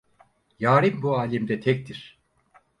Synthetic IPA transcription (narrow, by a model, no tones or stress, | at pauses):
jaːɾimbuaːlʲimd̪ɛt̪ʰɛc̚t̪ʰiɾ̥